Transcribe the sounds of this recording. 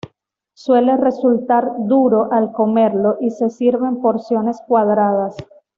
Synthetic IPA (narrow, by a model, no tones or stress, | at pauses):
swe̞le̞re̞sult̪aɾd̪uɾo̞ʔalko̞me̞ɾlo̞ʔise̞siɾβe̞mpo̞ɾsjo̞ne̞skwaðɾað̞as